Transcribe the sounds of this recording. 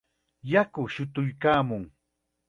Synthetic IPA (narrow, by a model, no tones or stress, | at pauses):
jakʊʃʊt̪ʊjkaːmʊŋ